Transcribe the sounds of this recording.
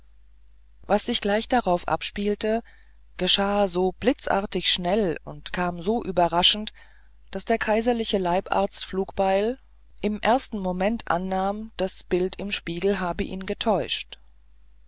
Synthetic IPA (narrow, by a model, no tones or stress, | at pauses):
vasz̥ɪçɡ̥laɪçd̥aʁaʊfʔa̰pʃpiːltə | ɡ̥əʃaːzoːb̥lɪt͡sʔa̰ɐtɪçʃnɛlʊ̰ntkʰaːmzoːʔyːbɐʁaʃn̩t | d̥asd̥eːɐkʰaɪzɐlɪçəlaɪpʔa̰ːɐt͡stfluːkb̥aɪl | ʔɪmʔeɐstn̩momɛntʔa̰nːaːmd̥asb̥ɪltʰɪmʃpiːɡl̩ɦaːbəʔḭːnɡətʰɔʏʃt